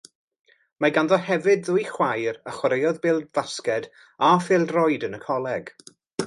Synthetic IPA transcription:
maɡanðɔhɛvɨdðʊjχwajɾaχwaɾejɔðbɪːlˠvaskɛd | afɪlˠdrɔjdənəkʰɔlˠɛɡ̥

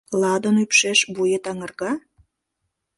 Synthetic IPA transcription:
lɑd̪ənypʃeʃbujet̪ɑŋə̆rɣɑ

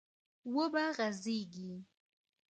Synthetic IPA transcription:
wobaɣaziɡi

